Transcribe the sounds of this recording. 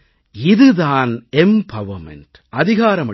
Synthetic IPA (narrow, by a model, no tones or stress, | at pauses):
ɪðɯðaːnɛmpɐʋɐmɛ̰nʈ | ʔɐðɪɣaːɾɐmɐ